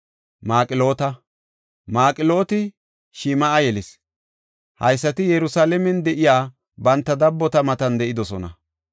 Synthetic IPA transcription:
maːkʼɪlo̞ːt̪ɐ | maːkʼɪlo̞ːt̪ɪ | ʃiːmɐʔɐjɛlɪs | hɐjsːɐt̪ɪjɛɾʊsaːlɛmɛnd̪ɛʔɪjaː | bɐnt̪ːɐd̪ɐbːɔt̪ɐmɐt̪ɐnd̪ɛʔɪd̪ɔsɔnɐ̰

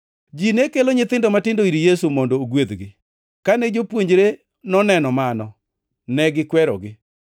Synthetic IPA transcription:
d͡ʒinekeloɲɪt̪ɪndɔmatɪndoiɾijesumɔndoːɡwed̪ɡɪ | kanɛd͡ʒopwoɲd͡ʒɾe | nɔnɛnɔmanɔ | nɛɡɪkwɛɾɔ̰ɡɪ

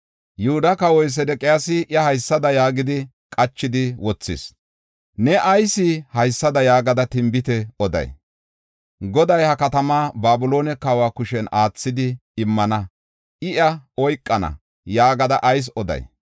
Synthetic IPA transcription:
jʊhʊd̪ɐkɐwɔjs̬ɛd̪ɛkʼɪjasɪʔjɐhɐjsːɐd̪ɐjaːɡɪd̪ɪ | kʼɐt͡ʃːɪd̪ɪwɔt͡sːɪ̰s | nɛʔɐjsɪhɐjsːɐd̪ɐjaːɡɐd̪ɐt̪ɪmbɪt̪ɛɔd̪ɐ̰j | ɡɔd̪ɐjhɐkɐt̪ɐmaːbaːbʊlo̞ːnɛkɐwaːkʊʃɛnaːt͡sːɪd̪ɪːmːɐnɐ | ɪʔɐɔjkʼːɐnɐ̰ | jaːɡɐd̪ɐʔɐjs̬ɔd̪ɐ̰j

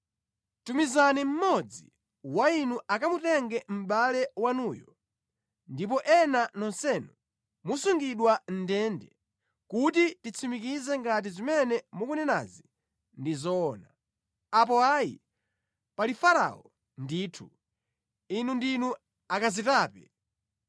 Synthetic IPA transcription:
tumizanim̩mɔd͡zi | wainuʔakamutɛŋɡɛm̩ɓalɛwanuːjɔ | ndip̬ɔʔɛnanɔnsɛnu | musuŋɡiɗwan̩dɛndɛ | kut̬itit͡sʰimikizɛŋɡat̬izimɛnɛmukunɛna̰zi | ndizɔːna | ap̬ɔajḭ | palifaɾa̰ɔ | ndiːtʰu | inundinu | akazitaːpɛ

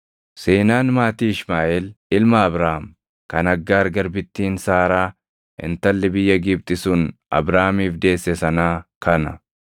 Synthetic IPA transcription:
seːnaːnmaːt̪iːɪʃmaːʔɛlɪlmɐːbɾaːm | kɐnɐɡːaːɾɡɐɾbɪt̪ːiːnsaːɾaː | ɪ̰nt̪ɐlːɪbɪjːɐɡɪb̚t̪ʼɪsuːnɐ̰bɾaːmiːfd̪e̞ːsːɛsɐnaːkʰɐnɐ

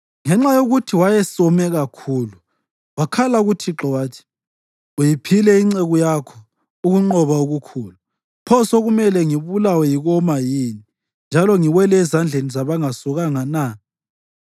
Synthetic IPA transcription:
ŋɛŋ͡ǁajoɣutʰiwajɛsɔmɛɣakʰuːlu | wakʰalauɣutʰiǁɔwaːtʰi̥ | ujipʰilɛiŋ͡ǀeɣujakʰɔ̥ | uɣuŋ͡ǃɔβauɣukʰuːlu | pʰɔsoɣumɛlɛŋiβulawɛjiɣɔmajiːni | nd͡ʒʱalɔŋiɣwɛlɛːzand͡ɮʱenizaβaŋasɔɣaŋana

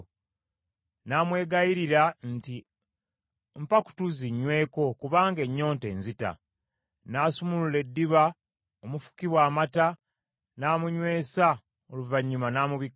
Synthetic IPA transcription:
naːmwe̞ːɡajiɾiɾanti | mpaku̥tuziɲːwe̞ːko̞kuβaːŋɡe̞ɲːo̞ːnte̞̰ːnzita̰ | naːsumulule̞dːiβa | omufu̥kiβwaːmata | naːmuɲwe̞ːsa | o̞luvaɲːumanaːmuβik

